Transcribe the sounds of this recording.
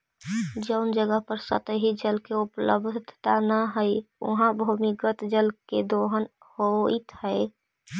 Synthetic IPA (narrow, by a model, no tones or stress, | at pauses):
d͡ʒəʊnd͡ʒəɡəɦpəɾsə̰t̪əɦid͡ʒəlkeuplə̰bd̪ʱt̪anəɦəjṵɦãbʱumikət̪d͡ʒəlked̪oɦən | hoit̪həɪ